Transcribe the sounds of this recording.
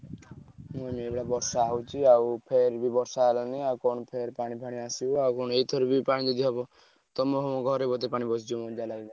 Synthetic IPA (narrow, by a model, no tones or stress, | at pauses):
moimeebɽabɔɾsaɦwt͡ʃʰiawpʰeɾbibɔɾsaɦlaniakɔɳ̃ɔpʰeɾpaɽ̃ibʱaɽ̃iasiuawkɔñeit̪ʰɔɾbipaɽid͡ʒɔd̪ʱiɦɔbɔ | t̪ɔmɔɦɔmoɡʱɔɾebɔt̪epaɽ̃ibɔsd͡ʒumɔd͡ʒalaɡila